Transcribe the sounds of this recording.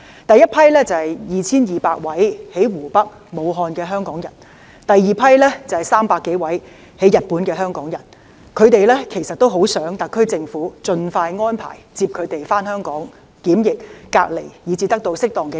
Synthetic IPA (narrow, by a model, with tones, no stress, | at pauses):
t̪ɐ˨jɐ˥t̚pʰɐ˥jlɛː˥t͡sɐ˨hɐ˨jjiː˨t͡sʰiː˥njiː˨paː˧k̚wɐ˨˥jhe˨˥jwuː˨˩pɐ˥k̚ | mo˨˧wɦɔː˧nkɛː˧ɦœː˥ŋkɔː˨˥ŋjɐ˨˩n | t̪ɐ˨jːiː˨pʰɐ˥jlɛː˥t͡sɐ˨˩hɐ˨jsaː˥mpaː˧kːe˨˥jwɐ˨˥j | he˨˥jɐ˨t̚puː˨˥nkɛː˧ɦœː˥ŋkɔː˨˥ŋjɐ˨˩n | kʰɵ˨˧ɥt̪e˨jlɛː˥kʰe˨˩jsɐ˨t̚t̪o˥wɦo˨˥wsœː˨˥ŋt̪ɐ˨˧kʰːɵ˥ɥt͡sɪ˧ŋfuː˨˥t͡sɵ˧nfaː˧jŋɔː˥npʰa̰ː˨˩jt͡siː˧p̚kʰɵ˨˧ɥt̪e˨jfaː˥nhœː˥ŋkɔː˨˥ŋ | kiː˨˥mjɪ˨k̚ːa̰ː˧k̚le˨˩jjiː˨˧t͡siː˧t̪ɐ˥k̚t̪o˧wsɪ˥k̚t̪ɔː˨ŋkɛː˧